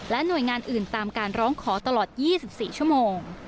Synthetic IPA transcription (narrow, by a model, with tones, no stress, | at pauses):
lɛ˦˥nu˨˩əjŋaː˧nʔɯː˨˩nt̪aː˧mkaː˧nɾɔː˦˥ŋkʰɔː˩˦t̪a˧lɔː˨˩t̪̚jiː˥˩si˨˩p̚siː˨˩t͡ɕʰu˥˩əmoː˧ŋ